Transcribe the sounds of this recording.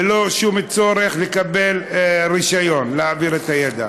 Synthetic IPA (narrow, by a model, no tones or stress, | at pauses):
elo̞ʃumet͡so̞ɾeχlekabe̞lʁiʃajo̞nleaːviʁet̪ajed̪a̰